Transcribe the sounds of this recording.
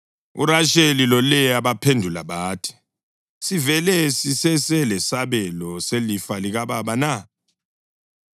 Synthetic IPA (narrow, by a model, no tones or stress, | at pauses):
ṵɾaʃelilɔlɛjaɓapʰendʱula̰ɓaːtʰi̥ | sivɛlɛsisɛsɛlɛsaɓɛlɔselifaliɣaɓaɓana